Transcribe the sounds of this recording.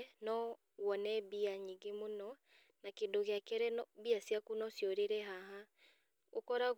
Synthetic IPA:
nɔ | wɔnɛbiaɲiɡemonɔ | nakedoɣeakɛɾɛnɔbiasjakunɔsjɔɾeɾɛɦaɦa | okɔɾaɣ

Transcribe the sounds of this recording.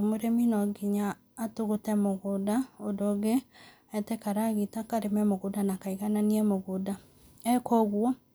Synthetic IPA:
moɾeminɔɡiɲaː | toɣotɛmoɣodaodoɣe | ɛtɛkaɾaɣitakaɾemɛmoɣodanakaiɣananiɛmoɣoda | ɛkɔɣwɔ

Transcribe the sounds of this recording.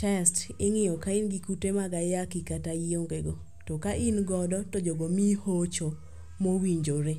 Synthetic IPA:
tɛstɪŋɪjɔkaɪnɡikutemaɡajakɪkatajoŋɡeɡɔ | tokaʔɪnɡɔdɔtod͡ʒoɡomihot͡ʃo | mowiɲd͡ʒoɾe

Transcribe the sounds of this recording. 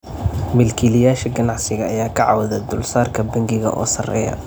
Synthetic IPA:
mɪlkʰilɪjaːʃɐɡɐnɑʕsɪɣɐɐjaːkʰɐʕɑ̰wɐðɐd̪ʊlsaːrkʰɐbɐŋɡɪɣɐ̰ʔɔ̰ːsɐrɛ̰ːjɐ̰

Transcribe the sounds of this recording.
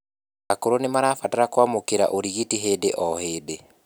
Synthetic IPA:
akoɾonemaɾaːfataɾakwamokeɾa̰ʔoɾiɣitiɦeːdeʔɔheːde

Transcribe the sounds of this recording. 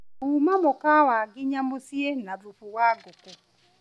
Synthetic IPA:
umamɔkawaɡɪɲamʊsienaɾufuwaɡʊkʊ

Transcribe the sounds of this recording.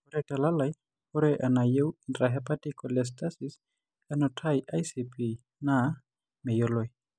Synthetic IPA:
oɾɛtalalaj | ɔɾɛʔanajewintɾaɦɛpatikʼɔlɛs̬tasis | anɔtʰajʔajsipʰi | na | mejoloj

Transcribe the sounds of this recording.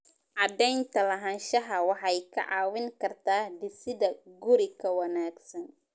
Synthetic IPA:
ʔɑd̪ɛjnt̪ʰɐlɐɦɐnʃɐɦɐwɑħɑjkʰɐ̰ʕɑːwɪŋkʰɐrt̪ʰaːd̪ɪsɪdɐɡʊɾɪkʰɐwɐnaːɡsɐn

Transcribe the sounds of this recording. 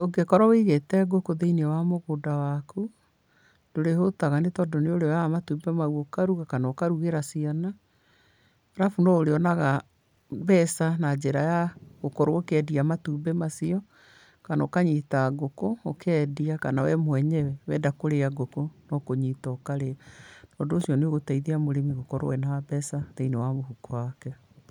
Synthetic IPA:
oɡekɔɾɔweiɣetɛɡokoðeiniɛwamoɣodawaku | nd̥oɾehotaɣanetɔːndɔneoɾeamatuːbɛmauokaɾuɣakanaokaɾuɣeɾasiɔna | ɾafunɔoɾeɔnaɣa | bɛsanad͡ʑeɾajaɣokɔɾookɛdiamatubɛmasiɔ | kanaokaɲiːtaɡokookʰɛːdiakanawɛmwɛɲɛwɛwɛdakoɾeaɡokonɔkoɲitɔːkaɾeanɔdoːsjɔneoɣotaiðeamoɾemiɣokɔɾo̰wɛnabɛsaðeinewamohukowakɛ

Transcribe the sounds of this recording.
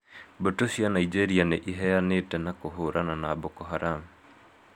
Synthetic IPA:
botosianaid͡ʒeɾianeʔiɦɛjaneːtɛnakoɦoɾʔananabokɔɦaɾam

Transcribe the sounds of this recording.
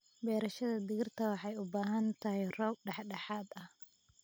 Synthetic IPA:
bɛːɾɐʃɐðɐd̪ɪɣɪrt̪ʰɐwɑħɑjʊbaːɦɐnt̪ʰɐhɛjrɔːb̚ɖɑħɖɑħaːd̪ɐh

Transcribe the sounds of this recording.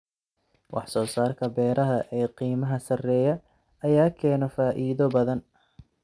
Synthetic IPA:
wʔɑ̰ħsɔːsaːrkʰɐbɛːɾʔɐɦɐʔɛːqiːmɐɦɐsɐrɛːjɐ | ɐjaːkʰɛːnɔfaːʔiːðɔbɐðɐn

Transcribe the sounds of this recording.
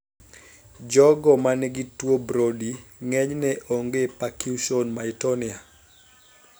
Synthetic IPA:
d͡ʒɔɡɔmanɛɡitwobɾodiŋɛɲnɛʔoŋɡepakjuʃonmaitɔnia

